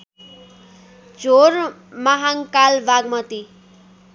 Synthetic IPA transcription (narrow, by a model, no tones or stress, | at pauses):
d͡zor | maɦaŋkalbaɡmʌt̪i